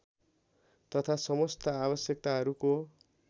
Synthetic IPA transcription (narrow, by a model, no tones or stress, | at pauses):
t̪ʌt̪ʰasʌmʌst̪ʌabʌsjʌk̚t̪aɦʌɾuko